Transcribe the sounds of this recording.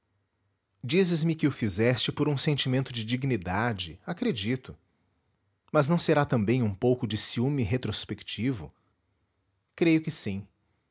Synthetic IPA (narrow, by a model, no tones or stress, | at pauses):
d͡ʒizɪzmɪkɪʊfizɛst͡ʃɪpoɾũsẽnt͡ʃimẽnt̪ʊd͡ʒɪd͡ʒiɡnid̪ad͡ʒɪakɾed͡ʒit̪ʊ | mɐznɐ̃w̃seɾat̪ɐ̃mbẽj̃ũpowkʊd͡ʒɪsiumɪɦet̪ɾospekt͡ʃivʊ̰ | kɾejʊkɪsĩ